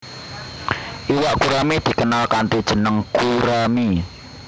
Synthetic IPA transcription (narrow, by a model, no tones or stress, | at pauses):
ʔiwaʔkuɾamid̪̥i̤kənalkant̪id̥ʒ̥ə̤nəŋkuɾami